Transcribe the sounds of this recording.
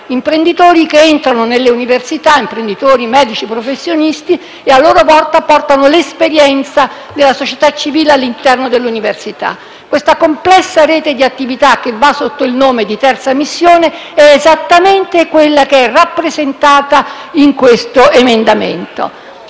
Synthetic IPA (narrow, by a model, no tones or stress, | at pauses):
impɾend̪it̪oːɾik̟eent̪ɾanonelːeuniversit̪aimpɾend̪it̪oːɾimɛːd̪it͡ʃipɾofesːjonist̪i | ealːoːɾovɔrt̪apɔrt̪anolespeɾjɛnt̪sa | d̪elːasot͡ʃet̪at͡ʃːiviːlealːint̪ɛrnod̪elːuniversit̪a̰ | kːwest̪akomplɛsːaɾeːt̪ed̪iat̪ːivit̪ak̟ːevːasːot̪ːoilnoːmed̪it̪ɛrt̪samisːjoːne | ɛːzat̪ːament̪ekwelːakeɛrapːɾezent̪aːt̪aiŋkwest̪oemend̪amḛnt̪o̰